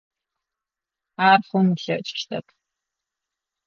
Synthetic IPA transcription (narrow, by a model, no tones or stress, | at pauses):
aːrχʷʊnɬɐʔt͡ʃʼɪ̥ʃtʰɐpʰ